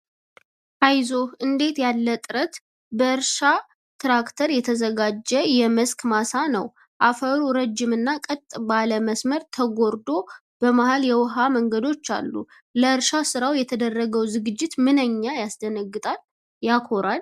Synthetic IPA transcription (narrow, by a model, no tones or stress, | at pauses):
ʔajzo̞ʔɨnd̪e̞t̪jalːət̪ʼɨɾət̪ | bəɨɾʃa | t̪ɾakt̪ʰəɾjɛt̪ʰəzəɡad͡ʒːɛjɛməskmasanə̰w | ʔafəɾuɾəd͡ʒːɪmɨnːakʼət̪ʼbaləməsməɾt̪ʰəɡo̞ɾd̪o̞ | b̥əmahaljɛwɦaməŋɡəd̪o̞t͡ʃːa̰lːṵ | ləɨɾʃasɨɾawjɛt̪ʰəd̪ərːəɡəwzɨɡɨd͡ʒːɪt̪mɨnəɲːajasd̪ənəɡːɨt̪ʼal | jakʰo̞ɾal